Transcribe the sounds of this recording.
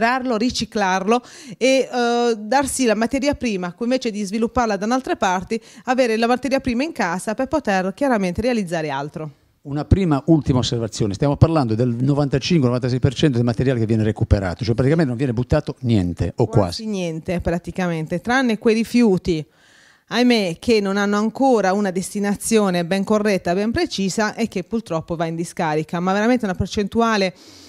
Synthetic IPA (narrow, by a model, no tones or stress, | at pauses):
ɾarloɾit͡ʃiklarloe | d̪arsilamat̪ɛɾiapɾiːmakĩɱveːt͡ʃed̪izvilupːarlad̪analt̪ɾepart̪iaveːɾelamat̪ːɛːɾjiapɾiːmaiŋkaːzaperpot̪erkjaɾament̪eɾealid̪zːaːɾealt̪ɾo | unapɾiːmaʔult̪imaosːervat̪sːjɔːnest̪jamoparland̪od̪elnɔvant̪at͡ʃiŋkwenɔvant̪asɛjpert͡ʃɛnt̪od̪elmat̪eɾjalkevjɛːneɾekupeɾa̰ːt̪o̥t͡ʃoɔɛpɾat̪ikamɛnt̪nõvjɛːnebut̪ːaːt̪onjɛ̰nt̪eokːw̰a̰ːzinjɛnt̪epɾat̪ikament̪et̪ɾanːekwejrifjuːt̪i | ajmekʰenːonanːoaŋkoːɾaunad̪est̪inat̪sːjoːnebɛŋkorːɛt̪ːabɛmpɾet͡ʃiːzaʔek̟ːepːurt̪ɾɔpːovaind̪iskaːɾikamaveɾamẽnt̪eunapert͡ʃent̪uaːle